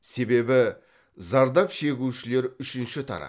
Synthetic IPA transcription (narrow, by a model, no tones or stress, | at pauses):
se̞be̞bɪ | zɑɾd̪ɑpʃe̞ɡʲuʃɪle̞ɾʏʃɪnʃɪt̪ʰɑ̰ɾɑ̰